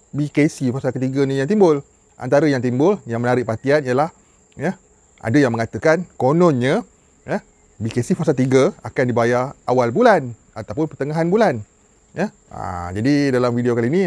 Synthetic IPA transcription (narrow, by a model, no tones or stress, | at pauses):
bikesifasalkət̪iɡənijaŋt̪imbʊl | ʔa̰nt̪aɾəjaŋt̪imbʊljaŋmənaɾɪʔpat̪ianijəlah | jə | ʔa̰dəjaŋməŋat̪əkankonɔnɲə | jə | bikesifasalt̪iɡəakandibajaʔawalbulan | at̪awpʊnpərt̪əŋaɦanbulan | jə | a̰d͡ʒadidalamfidiokaliːnĩ